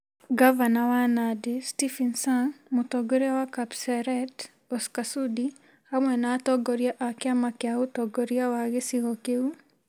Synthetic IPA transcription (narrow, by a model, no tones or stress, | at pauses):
ɡavanawanadestifinsanmutɔɡoɾeawakapsɛɾɛt | ɔskasudi | hamwɛnatɔɡɔɾiaʔakɪamakɪautɔɡoɾiawaɣesiɣɔkeu